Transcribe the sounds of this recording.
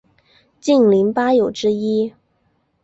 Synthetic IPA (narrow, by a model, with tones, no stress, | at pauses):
t͡ɕi˥˩nli˧˥ŋpa˥jo˨˩ʊʈ͡ʂɻ̩˥i˥